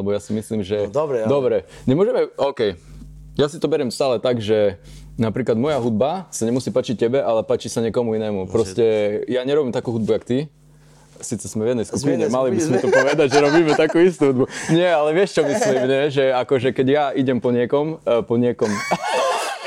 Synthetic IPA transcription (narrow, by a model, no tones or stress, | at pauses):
lɛbɔjasimisliːmʒɛd̪ɾdd̪ɔbɾɛɲɛmʊɔʒɛmɛɔʊkɛjjasit̪ɔbɛɾɛmst̪aːlɛt̪aɡʒɛ | napɾiːklad̪mɔjaɦud̪̚basaɲɛmusiːpaːt͡ʃic̚cɛbɛʔalɛpaːt͡ʃisaɲɪɛkɔmuinɛːmupɾɔscɛjaɲɛɾɔbimt̪akuːɦud̪bujakt̪i | siːt͡sɛsmɛvjɛd̪nɛjskupiɲɛmalibizmɛt̪ɔppɔʋɛd̪aɟʒɛɾɔbiːmɛt̪akuːist̪uɦud̪buɲɪɛalɛʋɪɛʃt͡ʃɔmislimɲɛʒɛakɔʒɛkɛɟjaiɟɛmpɔɲɪɛkɔmpɔɲɪɛkɔm